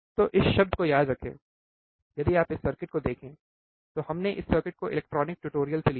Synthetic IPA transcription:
t̪oʔɪsʃɐb̚d̪ʱkojaːd̪ɾɐkʰḛ̃ː | jɐd̪iaːpɪsːɐɾkɪʈ̚kod̪eːkʰẽː | t̪ohɐmneʔɪsːɐɾkɪʈ̚koʔɪlɛk̚ʈɾɔːnɪk̚ʈuːʈoːɾijəlseli

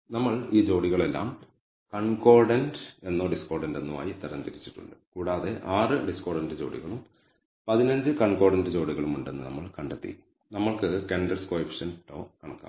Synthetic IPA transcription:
nɐmːɐɭiːd͡ʑo̞ːɽiɣɐɭe̞lːa̰ːm | kɐɳko̞ːrɖɐnde̞nːoːɖiskoːrɖɐnde̞nːuma̰ːjit̪ːɐɾɐnt̪iɾit͡ɕːi̥ʈːṵɳɖɨkuːɽaːðe̞ʔaːrɨɖiskoːɽɐndɨd͡ʑo̞̰ːɽḭɣɐɭum | pɐðinɐɲd͡ʑɨkɐɳko̞ːrɽɐndɨd͡ʑo̞ːɽiɣɐɭumuɳɖe̞nːɨnɐ̰mːɐɭkɐɳɖet̪ːḭ | nɐmːɐɭkɨkeɳɖɐrskoːifʰi̥ʂɐnʈo̰ːkɐɳɐkːa̰ː

